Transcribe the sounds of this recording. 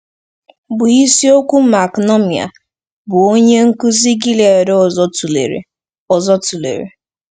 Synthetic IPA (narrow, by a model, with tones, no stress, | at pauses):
bʊ˨i˦si˦o˦kʷu˦ma˨knɔ˦mi˨a̰˨ | bʊ˨o˦ɲe˦ŋ̩˦ku˦zi˦ɡi˦le˨e˨ɾzu˨lḛ˨ɾḛ˨ | ɔ˨zɔ˦tu˨lḛ˨ɾḛ˨